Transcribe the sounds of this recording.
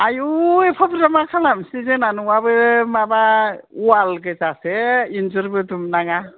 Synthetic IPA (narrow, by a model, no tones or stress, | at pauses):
ajuepʰabɯɾamakʰalamsizenanuwabɯmabaualɡɯzaseinzɯɾbedumnaŋa